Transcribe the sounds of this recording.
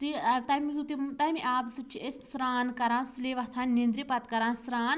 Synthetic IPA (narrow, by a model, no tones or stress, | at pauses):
t̪it̪ɐmit̪imt̪ɐmiʔaːbsɨt͡ʃʰiessɾaːnkɐɾãːnsuleʋɐt̪ʰãːnnːĩnd̪ɾipɐt̪kɐɾãːnsɾaːn